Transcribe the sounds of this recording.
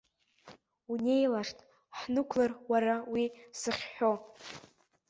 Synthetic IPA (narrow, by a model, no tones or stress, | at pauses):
une̞jlaʂtʼ | ħnɨkʷʰlarwaɾawisɨχʲħo̞